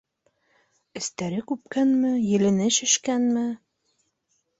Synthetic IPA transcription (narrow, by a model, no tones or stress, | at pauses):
ɘ̆st̪æɾɘkʉp̚kænmɘjɘ̆lɘ̆nɘʃɘ̆ʃkænmɘ